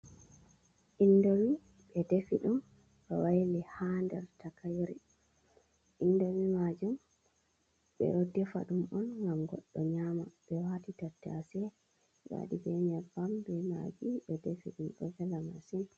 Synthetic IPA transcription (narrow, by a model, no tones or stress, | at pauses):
ʔindowi | ɓɛdefiɗum | ɓɛwajlihandɛɾtakajɾi | ʔindowimad͡ʒum | ɓɛ̰ɾodːɛfa̰ɗumɔnŋɡamɡɔ̰ɗːɔɲamaɓɛwatitatːɛasɛ | wa̰ɗibɛɲɛbambɛma̰ɡiɓɛdefiɗumɗɔ̰ɡɛlama̰sin